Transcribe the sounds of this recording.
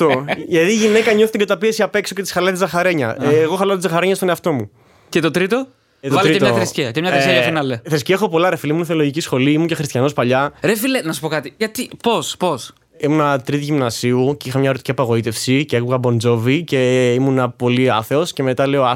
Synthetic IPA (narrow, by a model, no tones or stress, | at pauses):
t̪oʝɐt̪iːʝinekɐɲoθit̪eɟɐt̪ɐpiesiɐpe̞ksocet̪isxɐlɐt̪izɐxɐɾeɲɐʔɣoxɐlɐt̪zɐxɐɾeɲɐst̪o̞neɐft̪o̞mu | cet̪ot̪ɾit̪o | t̪ɾiet̪oɐθɾessciɐemɲɐθɾsɐfinɐleθɾesciɐexo̞po̞lɐɾefiliimunθeoloʝicisxo̞liimuɲce̞xɾist̪çɐno̞spɐʎɐɾefilenɐsu̥pokɐt̪iʝɐt̪ipospos | imunɐt̪ɾit̪iʝimnɐsiuceixɐmɲɐoɾt̪i̥ciɐpɐɣo̞it̪efsiceekuɣɐbo̞nd͡zo̞vice̞imunɐpo̞liɐ̰θe̞osce̞me̞t̪ɐle̞oɐ